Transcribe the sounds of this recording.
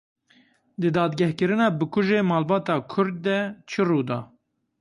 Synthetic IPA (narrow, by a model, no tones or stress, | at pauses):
d̪ɨd̪ɑːd̪ɡɛhkɨɾɨnɑːbɨkʰʊʒeːmɑːlbɑːt̪ɑːkʰʊɾd̪̚ːɛt͡ʃʰɨruːd̪ɑː